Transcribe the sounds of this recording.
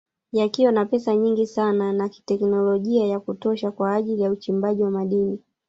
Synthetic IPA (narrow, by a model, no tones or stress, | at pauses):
jakiwanapɛsaɲiŋɡisananaki̥tɛknɔlɔʄiajakutɔʃakwaːʄilijaut͡ʃimbaʄiwamaɗini